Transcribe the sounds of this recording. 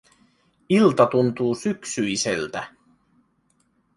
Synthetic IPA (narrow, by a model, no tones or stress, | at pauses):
ilt̪ɑt̪unt̪uːsyksyisḛlt̪æ